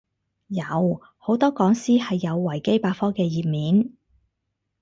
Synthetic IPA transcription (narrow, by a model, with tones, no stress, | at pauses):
jɐ˨˧w | ho˨˥wt̪ɔː˥kɔː˨˥ŋsiː˥hɐ˨jːɐ˨˧wːɐ˨˩jke˥jpaː˧k̚fɔː˥kɛː˧jiː˨p̚miː˨˥n